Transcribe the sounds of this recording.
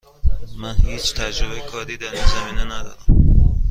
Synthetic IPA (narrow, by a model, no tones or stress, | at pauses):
mænhiːt͡ʃʰt̪ʰæd͡ʒɾobejekʰɒːɾd̪iːd̪æɾinzæmiːnenæd̪ɒ̰ːɾæm